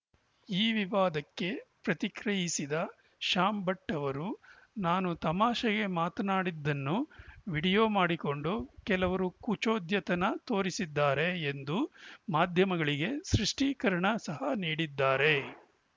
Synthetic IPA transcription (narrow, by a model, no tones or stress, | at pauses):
iːʋiʋaːd̪ɐkːe̞pɾɐt̪ikɾɐjisid̪ɐ | ʃaːmbɐʈːɐʋɐɾu | naːnut̪ɐmaːʃɐɡe̞maːt̪ɐnaːɽid̪ːɐnːuʋiɽijo̞ːmaːɽiko̞ɳɖukɛlɐʋɐɾukut͡ʃoːd̪ʱjɐt̪ɐnɐt̪o̞ːɾisid̪ːaːɾe̞ːnd̪umaːd̪ʱjɐmɐɡɐɭiɡe̞sɾiʂʈiːkɐɾɐɳɐsɐɦɐniːɽid̪ːaːɾe̞